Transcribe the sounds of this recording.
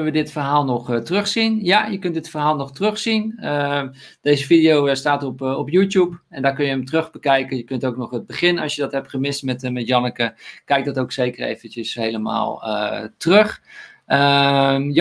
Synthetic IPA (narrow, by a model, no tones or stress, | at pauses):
nəʋədɪtfərɦaːlˠnɔxtrøxsinjajəkøntdɪtfərɦaːlˠnɔxtrøxsinə | d̥ejzəfidijowəstaːtɔpɔpjutjupɛndakønjəəmtərøxbəkɛjkəjəkøntoːknɔxət̚bəχɪnɑsjədɔthɛp̚tχəmɪstmɛtmɛtjɔnəkəkɛjk̚dɔtoːkseːkərḛjvəntjəshejləma̰ːlˠə̰trøxəj